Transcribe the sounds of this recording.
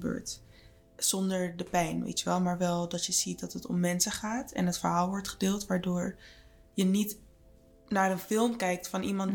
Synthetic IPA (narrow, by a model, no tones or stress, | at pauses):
bø̰ːɹt | z̥ɔndəɹdəpɛjnʋḛjtəʋɛlˠmaːɹʋɛlˠdɑtjəz̥it̚dɑtɦətɔ̰mːɛnsəχaːtɛ̰nɦətfəɹɦaːlˠʋɔɹtχədɪːlˠtʋaːɹdʊːɹ | jənit | naːrənfɪlˠmkɛjk̚tfɑnʔimɑn